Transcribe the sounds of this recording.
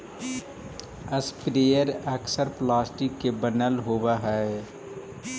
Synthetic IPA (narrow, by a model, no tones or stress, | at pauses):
əspɾeːjəɾəksəɾplaːsʈɪkːebənəlɦoːwaɦɛ